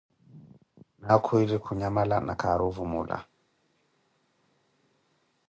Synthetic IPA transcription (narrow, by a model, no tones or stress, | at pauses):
nakʰuiɾikʰuɲamalana̰kʰaɾuvumṵla̰